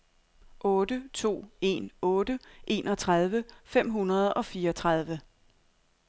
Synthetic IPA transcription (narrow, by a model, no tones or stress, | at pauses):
ʔɔ̽ːd̥ət͡sʰo̝̰ːe̝̰nɔ̽ːd̥əʔe̝̰ːnʔɒ̽t͡sʰʁað̞ˠʋəfem̰ɦunɐð̞ˠɒ̽fiːɐɒt͡sʰʁað̞ˠʋə